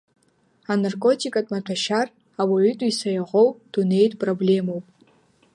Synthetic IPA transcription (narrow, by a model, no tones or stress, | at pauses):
anarkʼo̞tʰikʼatʼmatʷʰaʃar | awaʕytʷʼisajaʁʷowpʼd̥une̞jtʼpʼroblʲe̞mowpʼ